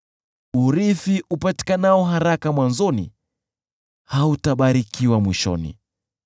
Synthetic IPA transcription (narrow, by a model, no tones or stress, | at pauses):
uɾifiʔupati̥kanaɔɦaɾakamwanzɔnḭ | hautaɓaɾikiwamwiʃɔ̰nḭ